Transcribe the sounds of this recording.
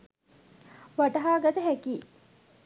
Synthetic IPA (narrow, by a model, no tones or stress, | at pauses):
ʋaʈɐɦaːɡɐt̪ɐɦækiː